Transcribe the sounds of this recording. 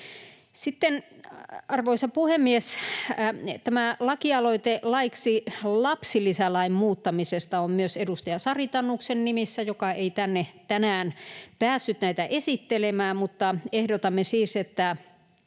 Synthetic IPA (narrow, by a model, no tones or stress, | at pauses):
sit̪ːen | ɑrʋoisɑpuhemːies | t̪æmælɑkiɑloit̪elɑiksilɑpsilisælɑimmuːt̪ːɑmisest̪ɑommyøsedust̪ɑjɑsɑrit̪ɑnːuksennimisːæjokɑeit̪ænːet̪ænæːnpæːsːyt̪næit̪æʔesit̪ːelemæːmut̪ːɑehdot̪ɑmːesiːset̪ːæ